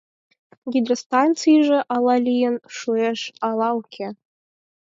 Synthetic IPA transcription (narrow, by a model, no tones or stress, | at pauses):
ɡʲid̪rʲost̪ɑnt̪t͡sɨjʒĕʔɑlˠɑlʲijənʂueʂɑlˠɑukʲʰe